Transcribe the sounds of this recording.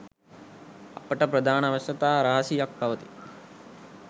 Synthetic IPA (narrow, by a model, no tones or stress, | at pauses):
ɐpːɐʈɐpɾɐd̪ʱaːnɐʋɐsɐt̪aːɾaːɐsijɐk̚bʱɐʋɐt̪i̥